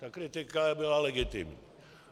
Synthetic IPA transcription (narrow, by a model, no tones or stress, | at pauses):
t̪akɾit̪ekabilaleɡit̪ḭm̰